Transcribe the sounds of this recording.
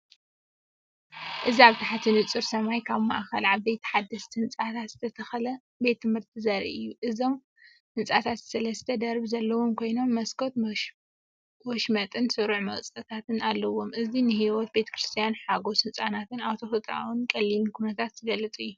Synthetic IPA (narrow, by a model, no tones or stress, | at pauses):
ʔɨziaβt̪ʰaħat̪ʰinɨt͡sʼɨɾsɐmajkʰaβma̰ʔxɐlʕaβbejt̪ʰħad̪ːɐst̪ʰiɨnt͡sʼat̪ʰat̪z̥ɨt̪ʰɐt̪ʰɐxɐlɐ | be̞t̪ːɨmɨɾt̪ʰɨzɐɾḭʔɨjːuʔɨzo̞m | hɨnt͡sʼat̪ʰat̪sɐlɐsɨt̪ʰɐd̪ɐɾbzɐlːɐwo̞mkʰo̞jno̞mːɐskʰot̪ | wɔʃmɐt̪ʼɨnsɨɾuʕmɐɣt͡sʼɐt̪ʰat̪ʰɨnalːɐwo̞mʔɨzinɨhiwɔt̪̚be̞t̪ʰɐ̥kɾɨst̪ʰijanħaɡo̞sɨnt͡sʼanat̪ɨnawt̪ʰo̞fɨt̪ʼa̰wunkʼɐlːimikʰunɐt̪ʰat̪zɨɡɐlːɨt͡sʼɨjːu